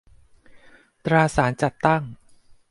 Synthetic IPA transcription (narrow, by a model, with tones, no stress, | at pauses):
t̪ɾaː˧saː˩˦nt͡ɕa˨˩t̪ːa˥˩ŋ